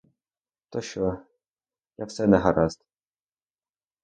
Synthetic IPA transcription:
t̪ɔɕɔ | jafsɛnɛɦaɾast̪

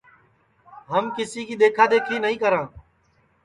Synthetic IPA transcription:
ɦəmkɪsiːkiːd̪eːkʰaːd̪eːkʰiːnəɦĩːkəɾãː

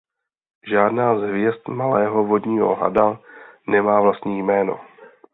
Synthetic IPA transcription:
ʒaːdnaːzɦvjɛst̪malɛːɦo̞vo̞dɲiːɦo̞̰ɦa̰danɛmaːvlast̪ɲiːjmɛːno̞̰

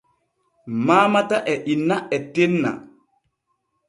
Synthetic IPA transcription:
maːmataʔɛʔinːaɛtenːa̰

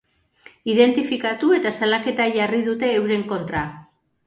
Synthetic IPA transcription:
iðe̞nt̪ifikat̪ue̞t̪asalake̞t̪aʝariðut̪e̞ːwɾe̞ŋko̞nt̪ɾa

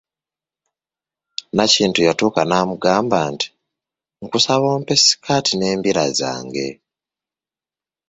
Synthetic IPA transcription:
naciːntujatuːkanaːmuɡaːmbaːnti̥ | ŋ̩kusaβo̞ːmpe̞si̥kʰaːtine̞ːmbiɾaza̰ːŋɡe̞̰

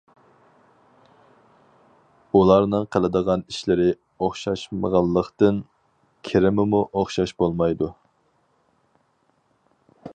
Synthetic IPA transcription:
ulˠɑɾnɨŋqʰəlˠɨd̪əʁɑniʃlɪɾɪ | oχʃɑʃmə̰ʁɑlˠːəqt̪ɨn | kʲʰeɾɪmɪmuʔoχʃɑʃbolˠmɑjd̪u

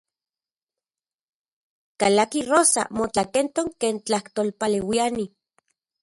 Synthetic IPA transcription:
kalakiroːsa̰mot͡ɬakent̪oŋkeːnt͡ɬaht̪olpalewiani

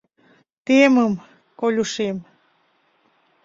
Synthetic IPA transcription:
t̪eməm | kolʲuʃem

